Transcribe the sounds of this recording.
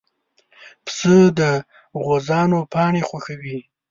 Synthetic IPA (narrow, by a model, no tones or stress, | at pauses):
psəd̪ə | ɣozɑnopɑɳexwaxawi